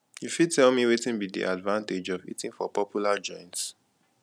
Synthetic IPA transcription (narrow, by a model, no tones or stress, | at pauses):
jufid̚tɛlˠmiwetĩnbidḭʔadvãnted͡ʒɔvḭtĩŋfɔpɔpʰjulad͡ʒɔ̃ɪ̃nts